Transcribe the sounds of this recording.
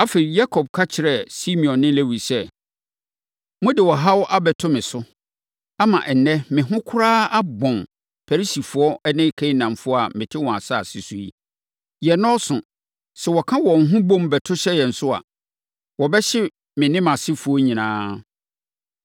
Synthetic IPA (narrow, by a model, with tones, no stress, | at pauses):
a˦fe˨ɾi˨ja˦kʰɔ˨b̚kʰa˦t͡ɕʰɪ˨ɾɛ˨si˦mĩ˨ɔ̃˨nːɪ̃˦le˦wi˨sɛ˦˨ | mʊ̃˦dɪ˨wɔ˨ɦa˦wɔ˦ʔa˦bɛ˨tʰʊ˦mɪ̃˨sʊ˦ | a˦mã̰˨ʔɛ˨n˨nɛ̃˦mɪ̃˨ɦʊ̃˦kʰʊ˦ɾaː˦a˦bɔ̃˨n | fʰɛ˨ɾi˦si˨fʊ˨ɔ˦ɛ˦nɪ̃˦kʰɛ̃˦i˦nã˨mfʊ˦ɔ˦a˨mɪ̃˨tʰɪ˦wɔ̃˨a˨sa˦˨si˨su˨i˦ | jɛ˨nɔ̃˦sʊ̃˨ | sɛ˨wɔ˨kʰã˦wɔ̃˨ŋ̩˨ɦʊ̃˦bõ˦mbɛ˨tʰʊ˦ɕɛ˦jɛ˨n̩˨sʊ˦a̰˨ | wɔ˨bɛ˦ɕɪ˦ | mɪ̃˨nɪ̃˦mã˨sɪ˦fʊ˨ɔ˦ɲĩ˨nãː˦